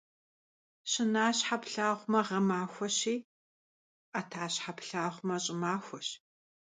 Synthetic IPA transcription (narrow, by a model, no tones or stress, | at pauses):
ɕɪnaːɕħapɬaːʁʷmɐʁɐmaːxʷɔɕiː | ʔɐtʰaːɕħapɬaːχʷmɐɕʼɪmaːxʷɔɕ